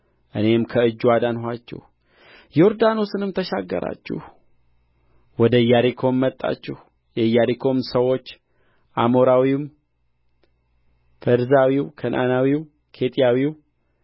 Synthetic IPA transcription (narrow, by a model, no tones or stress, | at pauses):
ʔɨne̞mkʰəɨd͡ʒːwad̪anɦʷat͡ʃːɛ̰h | jo̞ɾd̪ano̞sɨnɨmt̪ʰəʃaɡːə̰ɾa̰t͡ʃːṵh | wɔd̪əjaɾikʰo̞mːət̪ʼːa̰t͡ʃːɛh | jɛjaɾikʰo̞msəwo̞t͡ʃː | ʔamo̞ɾawiwm | fəɾzawiwkʰənʔa̰nawiw | kʰe̞t̪ʼijawiw